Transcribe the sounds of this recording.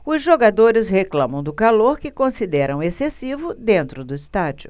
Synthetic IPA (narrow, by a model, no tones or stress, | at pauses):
ʊzʒoɡad̪oɾɪzheklɐ̃mɐ̃w̃d̪ʊkaloɾkɪkõsid̪ɛɾɐ̃w̃esesivʊd̪ẽnt̪ɾʊd̪ʊist̪ad͡ʒiʊ̰